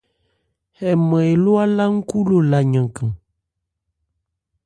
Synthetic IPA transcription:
hɛ˨mɛ̃˨e˨lo˦a˦la˦ŋ̩˦ku˦lo˨la˨ɲã˨kã˨

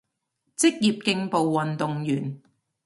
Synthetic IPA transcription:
t͡sɪ˥k̚jiː˨p̚kɪ˧ŋpo˨wːɐ˨nt̪ʊ˨ŋjyː˨˩n

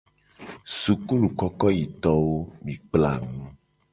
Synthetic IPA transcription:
su˨ku˦lu˨kɔ˦kɔ˦ji˨t̪ɔ˦wo˦mĩ˨k͡pla̰˨ŋũ˦

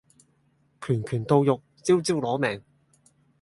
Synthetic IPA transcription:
kʰyː˨˩nkʰyː˨˩nt̪o˧wjʊ˨k̚t͡siː˥wt͡siː˥wlɔː˨˥mɛː˨ŋ

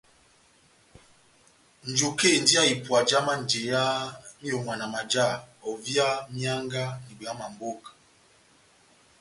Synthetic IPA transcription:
n̩˨d͡ʒu˨ke˦˨n˨di˦a˦˨i˨pwa˨d͡ʒa˦ma˦˨n̩˨d͡ʒe˨ja˦n̩˦o˨ŋa˨na˨ma˨d͡ʒa˦˨ɔ˨vja˦mja˦ŋɡa˦ni˨be˨a˦ma˨m˨bo˦˨k

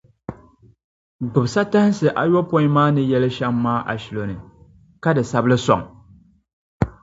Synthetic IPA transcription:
ɡ͡bʊ˨bsa˦ta˦hɪ˦sɨ˨ʔa˨jɔ˦po˦i˦maː˦nɨ˦jɛ˦lɨ˦ʃɛ˦mːaː˦ʔa̰˨ʃi˨lo˨nɨ˨ | ka˦dɨ˨sa˦blɨ˦sɔ˨ŋ

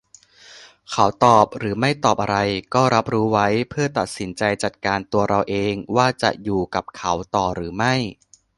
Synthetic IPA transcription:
kʰa˩˦˥wt̪ɔː˨˩p̚ɾɯː˩˦ma˥˩jt̪ɔː˨˩p̚ʔa˧ɾa˧jkɔː˥˩ɾa˦˥p̚ɾuː˦˥wa˦˥jpʰɯ˥˩ɐt̪a˨˩t̪̚si˩˦nt͡ɕa˧jt͡ɕa˨˩t̪̚kaː˧nt̪u˧ɐɾa˧wʔeː˧ŋwaː˥˩t͡ɕa̰˨˩ʔjuː˨˩ka˨˩p̚kʰa˩˦˥wt̪ɔː˨˩ɾɯː˩˦ma˥˩j

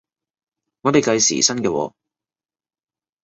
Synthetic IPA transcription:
ŋɔː˨˧p̪e˨jkɐ˧jsḭː˨˩sɐ˥nkɛː˧wɔ̰ː˨˧

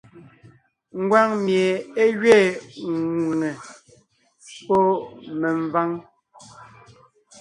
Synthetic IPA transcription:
ŋ̩˦ɡwa˦ŋmje˨e˦ɣɥeː˦˨ŋ˨u˨ŋɛ˨ | pɔ˦mɛ˨ɱ˨va˦ŋ

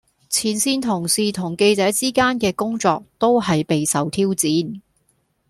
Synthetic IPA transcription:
t͡sʰiː˨˥nsiː˥nt̪ʰʊ˨˩ŋsiː˨t̪ʰʊ˨˩ŋke˧jt͡sɛː˨˥t͡siː˥kaː˥nkɛː˧kʊ˥ŋt͡sɔː˧k̚t̪o˥wɦɐ˨jpe˨jsɐ˨˧wt̪ʰiː˥wt͡siː˨˥n

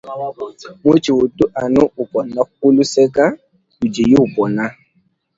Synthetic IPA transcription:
mo˦t͡ʃi˨o˨tu˦ʔa˨nʊ˦ʊ˨pɔ˨na˦ku˦lu˦sɛ˦ka˦ | u˨d͡ʒe˨je˦u˨pɔ˨na˦

